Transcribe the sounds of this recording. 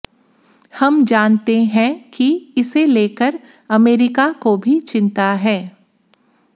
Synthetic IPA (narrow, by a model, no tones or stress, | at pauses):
hɐmd͡ʒaːnt̪eɦɛ̃kiɪseleːkəɾ | ɐmeːɾɪkakobʱit͡ʃɪ̃nt̪aɦɛː